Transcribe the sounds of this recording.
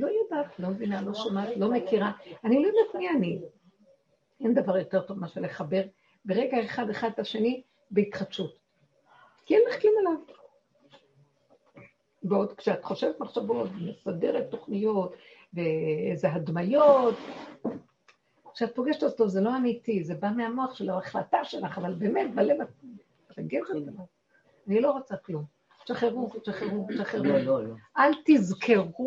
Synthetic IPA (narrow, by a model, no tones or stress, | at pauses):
lo̞jodatlo̞mevinalo̞ʃomat̪lo̞me̞kiʁaanilojod̪at̪miani | end̪avaʁjo̞te̞ʁt̪o̞vmaʃeleχabe̞ʁ | be̞ʁe̞ɡaeχad̪eχad̪aʃe̞ni | beit̪χabʃut̪ | kiɛnleχklimalav | beod̪kʃeat̪χo̞ʃe̞vet̪maχʃavo̞t̪vemesade̞ʁet̪ːo̞χnijo̞t | veezeɦadmajot | kʃeat̚po̞ɡeʃtotozelo̞amitizebameamo̞aχʃeloaχlataʃe̞laχavalbe̞ːmet̚balevat | taɡeʃetalav | anilo̞ʁot͡saklum | ʃaχeʁutʃaχeʁuʃaχeʁuʔalt̪izkʰe̞ʁu